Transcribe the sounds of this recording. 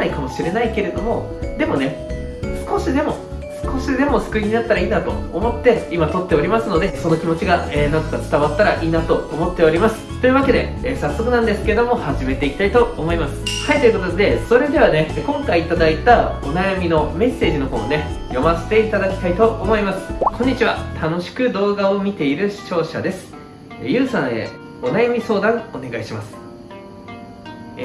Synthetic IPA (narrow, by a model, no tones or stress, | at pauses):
naikamo̞ɕiɾe̞naike̞ɾe̞d̪o̞mo̞ | d̪e̞mo̞ne̞ | sɨ̥ko̞ɕid̪e̞mo̞ | sɨ̥ko̞ɕid̪e̞mo̞sɨ̥kɯ̟iɲ̟inat̪ːaɾaiːnat̪o̞̰ːmo̞t̪ːe̞imat̪o̞t̪ːe̞o̞ɾʲimasɨno̞d̪e̞so̞no̞kʲimo̞t͡ɕiɡaeːnãnt̪o̥kat͡sɨ̥t̪aβat̪ːaɾaʔiːnat̪o̞oːmo̞t̪ːe̞oɾʲimasɨ̥t̪oiɯ̟βake̞d̪e̞̰ːsasːo̞kɯ̟nãnd̪e̞sɨ̥keed̪o̞mo̞haʑime̞t̪e̞ikʲi̥t̪ait̪o̞omo̞imasɨ̥hait̪o̞jɯ̟kot̪od̪e̞so̞ɾe̞d̪e̞β̞ane̞kõ̞ŋkaiːt̪ad̪ait̪ao̞najamʲino̞me̞sːe̞ːʑino̞komone̞jo̞mase̥t̪e̞it̪ad̪akʲi̥t̪ait̪o̞ʔomo̞imasɨ̥kʰõ̞ɲ̟ːit͡ɕiβa̰t̪ʰano̞ɕi̥kɯ̟d̪o̞ːɡao̞mʲit̪e̞iɾɯ̟ɕi̥t͡ɕo̞ːɕa̰d̪e̞sɨ̥ | jɯ̟ːsãɰ̃ḛ | o̞najamʲiso̞ːd̪ãŋo̞ne̞ɡaiɕimasɨ̥